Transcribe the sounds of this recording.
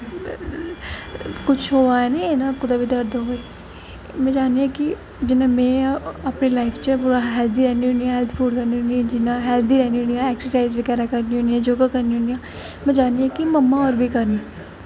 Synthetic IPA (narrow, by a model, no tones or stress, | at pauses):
kʊt͡ʃʰɦoːaɛnẽenãkʊd̪aːbʱid̪əɾd̪ɦoe | mɛ̃ːd͡ʒaːniãki | d͡ʒɪnãmɛ̃ːəpnelaːɪpʰt͡ʃəpuːɾaɦɛːlt̪iːɾɛːniɦʊ̃niãɦɛːlt̪ʰpʰuːɖkəɾniɦʊ̃niãd͡ʒɪnãɦɛːlt̪iːɾɛːniɦʊniãːɛːksəɾsaːɪzʋɪkɛːɾakəɾniɦõːniãd͡ʒoːɡakəɾniɦːnijãː | mɛ̃ːd͡ʒaːniãkiməmːaɔːɾbʱikəɾniã